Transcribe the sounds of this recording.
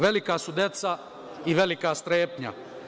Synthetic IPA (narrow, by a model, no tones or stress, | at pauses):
ʋe̞likasud̪e̞t̪sa | iʋe̞likast̪ɾeːpɲa̰